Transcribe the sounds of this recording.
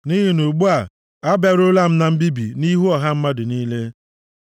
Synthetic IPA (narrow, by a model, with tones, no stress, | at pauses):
ni˦ɦi˨nu˨ɡ͡bu˦a˨ | a˦ba˨ɾʊ˦la˦m̩˦na˦m̩˦bi˦bḭ˨ni˦ɦu˦ɔ˨ɦa˦m̩˦ma˦dɪ˨niː˦le˦